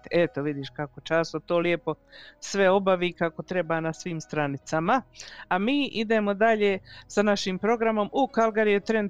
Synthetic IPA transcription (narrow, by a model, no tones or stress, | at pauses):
et̪oʋid̪iʃkakot͡ʃaːsot̪o̞ːlie̞po̞ | sʋe̞o̞baʋiːkako̞t̪ɾe̞baːnasʋiːmst̪ɾanit̪samaamiːʔid̪e̞mo̞d̪aʎe̞ːsanaʃiːmpɾo̞ɡɾamo̞mukalˠɡaɾijut̪ɾe̞nd̪